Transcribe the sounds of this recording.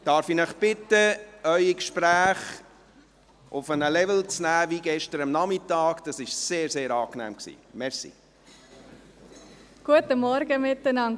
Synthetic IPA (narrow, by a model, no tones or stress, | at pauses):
d̥ɑːɾfinəχb̥ɪtəœʏikʃpɾæːχ | ʔʊfənəlɛvəlt͡snæːviɡɛʃtəɾəmnɑmɪtːɑːkd̥ɑsɪʃseːɾseːɾɑːknæ̰ːmksḭːmɛɾsḭ | ɡ̥uətəmɔɾɡəmɪtːənɑn